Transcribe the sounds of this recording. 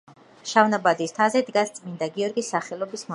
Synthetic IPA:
ʃavnabad̪ist̪ʰazɛd̪ɡast̪sʼmind̪aɡiɔɾɡisːaχɛlˠɔbism

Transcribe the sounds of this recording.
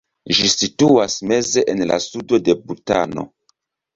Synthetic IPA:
ʒisituasme̞ze̞ʔenla̰sudo̞de̞buta̰no̞̰

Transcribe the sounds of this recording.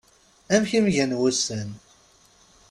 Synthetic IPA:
æmçimʝænwæsən

